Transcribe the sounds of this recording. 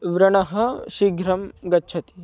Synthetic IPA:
ʋɾɐɳɐɦɐ̆ʃiɡɾɐmɡɐtːʃʰɐt̪i̥

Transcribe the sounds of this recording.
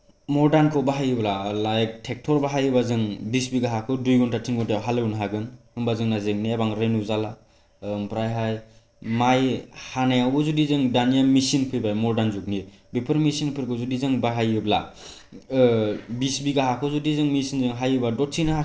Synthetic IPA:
mɔɾdankʰɔbaɦajɯblalajk̚tʰek̚tʰɔɾbaɦajɯbazɯŋbisbiɡaɦakʰɯdujɡɔntʰatʰiŋɡɔntajawɦalɯwnɦaɡɯnhɯmbazɯŋnazeŋniabaŋɾenuzala | mpɾajɦaj | majhanajawɡɯzudizɯŋdanijamisinpʰɯjbajmɔɾdanzuk̚ni | bepʰɯɾmisinpʰɯɾkʰɔzudizɯŋbaɦajɯbla̰ | bisbiɡaɦakʰɯzudizɯŋmisinzɯŋɦajɯbadɔtsinaɦa

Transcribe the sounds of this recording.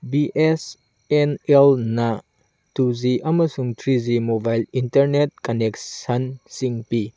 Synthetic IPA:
biʔes | enelnɐ | tuziʔɐmɐsuŋtʰɾizimobajlintɐɾnet̚kɐneksɐnsiŋpi

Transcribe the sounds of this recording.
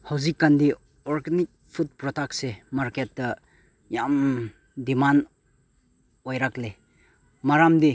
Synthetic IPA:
hawzikːandi | ɔɾɡenik̚pʰut̚pɾɔtak̚semaɾketːɐ | jam | diman | ojɾakle | maɾamdi

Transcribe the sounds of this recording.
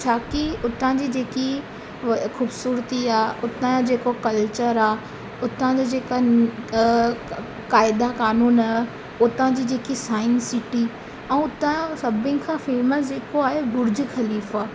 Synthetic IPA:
t͡ɕʰaːkiʊt̪ãd͡ʑid͡ʑeːki | xuːbsuːɾt̪iaːʊt̪ãd͡ʑeːkokɐlt͡ɕəɾaː | ʊt̪ãd͡ʑod͡ʑeːka | kaːɪd̪akaːnuːnaː | ʊt̪ãd͡ʑid͡ʑeːkisaːɪnsɪʈi | ɛ̃ːʊt̪ãsɐbʱɪ̃n̆kʰãːfeːməsd͡ʑeːkoaːɦebʊɾd͡ʑxɐliːfaː

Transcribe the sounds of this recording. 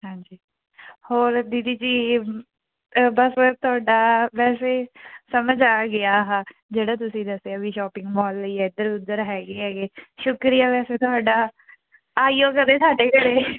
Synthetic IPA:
ɦãːɲd͡ʒiː | hoːɾd̪iːd̪iːd͡ʒiː | bəsət̪ʊaːɖaːʋɛːseːsəməd͡ʒaːɡɪaːɦaːd͡ʒeːɽaːt̪ʊsĩːd̪əseaːbiːʃɔːpɪ̃ŋɡbɔːlːiːɛd̪əɾʊd̪əɾɦɛːɡeːɦɛːɡeːʃʊkɾijaːʋɛːseːt̪ʊaːɖaː | aːiːoːkəd̪eːsaːɖeːkəɽeː

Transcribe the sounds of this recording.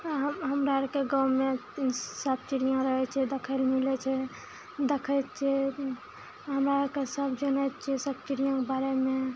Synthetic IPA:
ɦɦəmɾaɾkeɡãwmesəb̚t͡ʃiɾijãɾəɦɛt͡ʃʰɛd̪əkʰəɪlmilɛt͡ʃʰɛ | d̪ekʰɛt̪̚t͡ʃʰɛ | ɦəmɾaɾkesəbd͡ʒənəjt̪̚t͡ʃʰɛsəb̚t͡ʃiɾijãkebaɾeme

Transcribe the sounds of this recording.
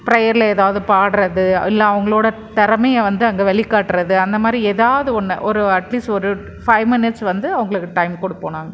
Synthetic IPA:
pɪɾɐjɐɾɪlɐeːðaːʋɐðɯpaːɽɯɾɐðɯɪlːɐɐʋɐŋɡɐɭoːɽɐt̪ɐɾɐmɐjɐʋɐnd̪ɯɐŋɡeːʋɛɭɪkːaːʈːɯɾɐðɯɐnd̪ɐmaːd̪ɾieːðaːʋɐðɯɔnːɐ̰ʔɔɾɯɐʈliːsʈɔɾɯ | fɐɪʋmɪnɪʈsʋɐnd̪ɯɐʋɐŋɡɐɭɯkːɯʈɐɪmkɔɽɯpːoːnaːŋɡɐ

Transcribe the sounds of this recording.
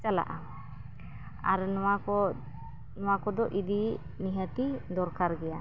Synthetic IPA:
t͡ʃala̰ʔa | aɾnɔwakɔ | nɔwakɔd̪ɔʔid̪i | niɦət̪id̪ɔɾkaɾɡɛja

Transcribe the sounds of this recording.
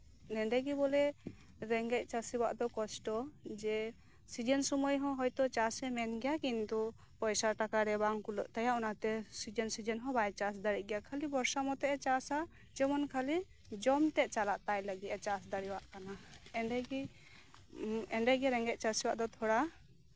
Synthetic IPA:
nɛɳɖɛɡibɔlɛ | ɾɛŋɡɛc̪̚ˀt͡ʃasiwaʔd̪ɔkɔsʈɔd͡ʒɛ | sid͡ʒənsɔmɔjɦɔ̃ɦɔjt̪ɔt͡ʃasɛmɛnɡɛjakint̪u | pɔjsaʈakaɾɛbaŋkuləʔt̪ajaʔunat̪ɛsid͡ʒənsid͡ʒənɦɔ̃bajt͡ʃasd̪aɾit̚ˀɡɛjakʰalibɔɾsamɔt̪ɛʔɛt͡ʃasa | d͡ʒɔmɔnkʰali | d͡ʒɔmt̪ɛʔ̚t͡ʃalaʔt̪ajləɡit̪ɛt͡ʃasd̪aɽiwaʔkanaɛɳɖɛɡi | ɛɳɖɛɡɛɾɛŋɡɛc̚ˀt͡ʃasiwaʔd̪ɔt̪ʰɔɽa

